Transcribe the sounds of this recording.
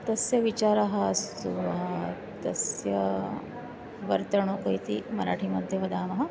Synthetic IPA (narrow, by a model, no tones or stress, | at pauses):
t̪ɐsjɐʋit͡ʃaːɾɐɦɐst̪uʋɐɦɐ | t̪ɐ̰sjɐ | ʋɐɾt̪ɾɐɳ̃oːkojt̪imɐɾa̰ːʈʰimɐd̪ʱjɐʋɐd̪aːmɐɦɐ̆